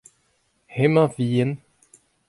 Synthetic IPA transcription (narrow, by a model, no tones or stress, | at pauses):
hɛmaviːən